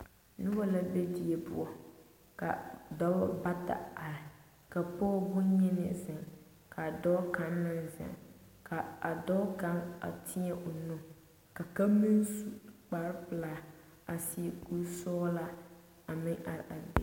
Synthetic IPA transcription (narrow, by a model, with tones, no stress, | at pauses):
nʊ˦ba˦la˦be˦d͡ʒi˨e˨pʊ̰˦ɔ˨ | ka̰˨dɔ˦ba˦ta̰˨a˨ɾɪ˨ | ka˨pɔ˦bʊ˦ɲɛ˦nɪ̰˨zɪ˨ŋ | ka˨dɔ˦ka˦nːa˦n˨za̰˨ŋ | kʰa˨a˨dɔ˦ka˦ŋa̰˨tʰɪ˦ɛ˦ʔʊ˨nʊ˦ | ka˨ka˦mi˦nsu˦k͡pa˨ɾɪ˦pɨ˨laː˨ | a˨si˦ku˦sɔː˦la˦ | a˨mɪ˦ŋʔa˨ɾʔa˨dḛ˨